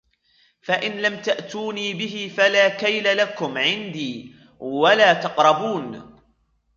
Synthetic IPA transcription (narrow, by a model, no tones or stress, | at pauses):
faʔɪnlamt̪aʔt̪uːniːbɪɦɪfalaːkajlalakʊmʕɪnd̪iː | walaːt̪ɑqɾˤɑbuːn